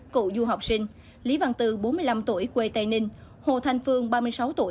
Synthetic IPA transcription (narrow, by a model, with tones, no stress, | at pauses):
kṵ˧˨zu˧ɦa˨˩wk͡p̚sï˧ŋ̟ | li˨˦va̰ː˧˨nt̪ɨ˨˩ɓo˨˦nmɨ˧əjla˧mt̪u˧˩˨əjkwe˧t̪a˧jnï˧ŋ̟ | ho̰˧˨t̪ʰa˧jŋ̟fɨ˧əŋɓaː˧mɨ˧əjsa˨˦wt̪u˧˩ə